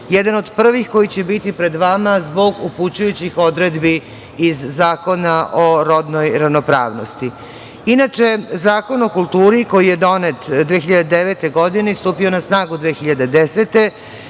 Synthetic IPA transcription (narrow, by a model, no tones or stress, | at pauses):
jed̪ano̞d̪pr̩ʋixko̞jit͡ɕe̞bit̪ipɾe̞d̪ʋamazbo̞ɡuput͡ɕujut͡ɕixo̞d̪ɾe̞d̪biː | zːaːko̞naʔoɾo̞d̪nojɾaʋno̞pɾa̰ːʋno̞̰st̪i | inat͡ʂe̞zaːko̞no̞kult̪uːɾiko̞jijed̪o̞net̪d̪ʋeːxiʎad̪ed̪eʋet̪e̞ɡo̞d̪inest̪uːpio̞nasnaːɡud̪ʋeːxiʎad̪ed̪eset̪e̞